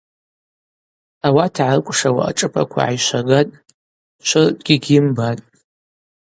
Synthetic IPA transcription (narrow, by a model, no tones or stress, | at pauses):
awatʰʕarkʷʼʂawa̰ʔa̰ʈ͡ʂʼɨpʰʼa̰kʷʰa̰ʕajʃʷaɡatʼ | ʃʷʊrpʼɡʲiɡʲɪmbatʼ